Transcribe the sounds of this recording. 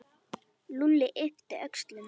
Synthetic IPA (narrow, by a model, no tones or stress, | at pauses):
lulːɪʔeft̪ɪʔœkst̪lʏn